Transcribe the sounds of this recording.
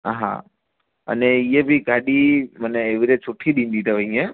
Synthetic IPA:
a̰ɦã̰ | ə̰neijebʱiɡaɗiməneːʋiɾet͡ʃʰoʈʰːiɗĩnd̪it̪əʋəĩe

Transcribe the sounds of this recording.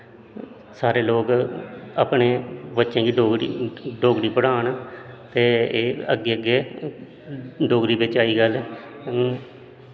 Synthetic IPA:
saːɾeːloːɡəpɳeːbətːʃẽːɡiːɖoːɡɽiɖoːɡɽiːpəɽaːɳt̪eːeːəɡːeːəɡeː | ɖoːɡɾiːbɪt͡ʃaːiːɡəlɛ

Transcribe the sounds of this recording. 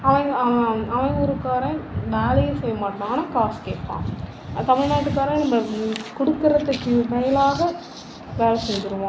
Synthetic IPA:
ɐʋɐ̃ŋɡɐɐʋɐ̃ɡɔɾɯkːaːɾɐ̃ʋeːlɐjɐsɛjːɐmaːʈːɐnaːnãːkaːskeːʈpːã̰ː | t̪ɐmɪɻnaːʈːɯkːaːɾɐ̃nɐmːɐkɔɽɯkːɯɾɐt̪ːɯkːɯmɛjɐlaːɣɐ | ʋeːlɐsɛnd͡ʒɪɾɯʋõː

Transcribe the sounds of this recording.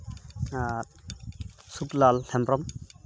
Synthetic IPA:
a | suklalhɛmpɾɔm

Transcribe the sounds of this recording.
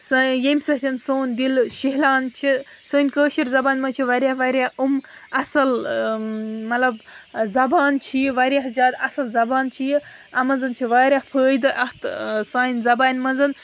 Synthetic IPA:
sɐjemʲsɐɦtʲʰɐnsoːnʲd̪ilʃiɦlaːnt͡ʃʰi | səːnʲkəːʃiɾzɐbaːnʲmɐt͡ʃʰiʋɐɾʲjaːhʋaɾʲjaːumɐsɐl | mɐt̪lɐbzɐbaːnt͡ʃʰijʋɐɾʲjaːɦzʲaːd̪ɐsɐlzɐbaːnt͡ʃʰijiɐmɐnzɐnt͡ʃʰiʋaːɾʲjaːfʰəːjd̪ɨʔɐht̪saːinʲzɐbaːnʲmɐnzɐn

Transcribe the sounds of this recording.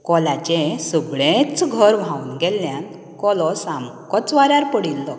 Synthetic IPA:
kɔlat͡ɕesuɡɭẽt͡sɡʱəɾʋ̤ãunɡɛlːjan | kɔlɔsamkɔt͡sʋaɾjaɾpəɽilːɔ

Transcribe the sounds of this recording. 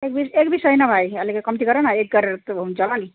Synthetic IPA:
ek̚bisekbisʌjnʌbʱajʌlikekʌmt̪iɡʌɾenaek̚ɡʌɾet̪unt͡ʃʌlani

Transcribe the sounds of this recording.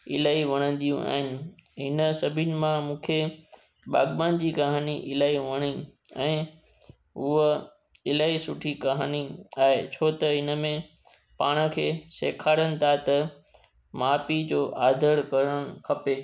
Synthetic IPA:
ɪlaːiʋɐɽ̃ə̃nd̪ijũʔa̰ːɦɪnɪ̆ɦɪnəsɐbʱɪnɪ̆mãmũːkʰe | ɓa̰ːɠbaːnd͡ʑiːkɐɦaːniʔɪlaːiʋɐɽ̃i | ɛ̰̃ː | ʊɦə | ɪlaːisʊʈʰikɐɦaːniaːɦet͡ɕʰoːt̪ɐɦɪnə̆mẽ | paːɽ̃ə̆kʰeːseːkʰaːɾənɪ̆t̪ʰat̪ɐ | maːpid͡ʑoːʔaːd̪ʱəɾkɐɾəɽ̃ʊkʰɐpeː

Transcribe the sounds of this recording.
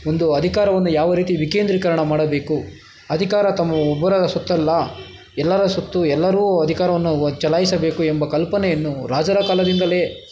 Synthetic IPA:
ond̪uɐd̪ʱikaːɾɐʋɐnːujaːʋɐɾiːt̪iʋikeːnd̪ɾikɐɾɐɳɐmaːɽɐbe̞ːku | ɐd̪ʱikaːɾɐt̪ɐmːɐɔbːɐɾɐd̪ɐsot̪ːɐlːɐ | ɛlːɐɾɐsot̪ːuɛlːɐɾuːɐd̪ʱikaːɾɐʋɐnːut͡ʃɐlaːjisɐbe̞ːkuembɐkɐlpɐnɛjɐnːuɾaːd͡ʒɐɾɐkaːlɐd̪ind̪ɐle̞ː

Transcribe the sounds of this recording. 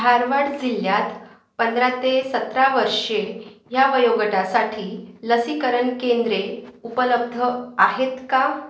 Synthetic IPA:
aɾʋaɽd͡ziljat̪ | pənd̪ɾat̪esət̪ɾaʋəɾʂejaʋəjoɡəʈasaʈʰiːləsikəɾəɳkend̪ɾeupələb̚d̪ʱəaɦet̪ka

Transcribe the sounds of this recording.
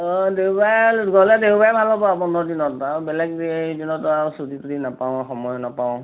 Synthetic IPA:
ɔdeɦubajɡɔlɛdeɦubajbʱalɔbɔabɔndʱɔdinɔtabɛlɛɡ̚dinɔtasuditudinapaʊ̃xɔmɔjɔnapaʊ̃

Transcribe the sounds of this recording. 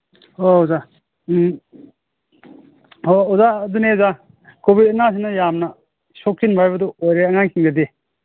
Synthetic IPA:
oza | oːzaːduneza | kobidnas̬inɐjamnɐ | sok̚tʰinbʱajbɐduojɾeɐŋaŋkʰiŋɡɐdi

